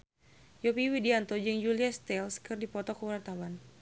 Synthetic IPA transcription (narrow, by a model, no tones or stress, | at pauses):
jopiwidiant̪ɔd͡ʒɨŋd͡ʒuliast̪ɛlskɨrdipɔt̪ɔkəwart̪awan